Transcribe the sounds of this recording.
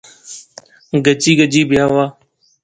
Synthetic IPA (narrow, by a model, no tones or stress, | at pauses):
ɡət͡ʃiːɡəd͡ʒiːbɪjaːʋaː